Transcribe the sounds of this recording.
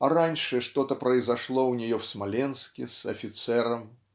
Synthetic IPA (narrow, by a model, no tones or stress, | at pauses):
ɐɾanʲʂɨʂt̪ɔt̪ɐpɾɐjzaʂlˠɔwnʲɛjɔwsmalʲɛnskʲisɐ̰fʲit̪sɛɾɐm